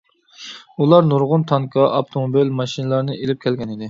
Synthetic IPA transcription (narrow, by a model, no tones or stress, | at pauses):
ulˠɑɾnuɾʁʊnt̪ʰɑŋkʰɑʔɑp̚t̪ʰomobilmɑʃinɨlˠɑɾnɨelɪp̚kʲʰɛlɡʲɛnid̪ɪ